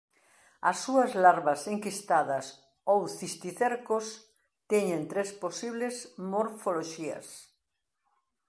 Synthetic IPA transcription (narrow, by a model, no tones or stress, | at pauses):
ɐsːuɐzlaɾβɐseŋkist̪aðɐs | owθist̪iθeɾkos | t̪ɛɲẽnt̪ɾesposiβlesmoɾfoloʃiɐ̰s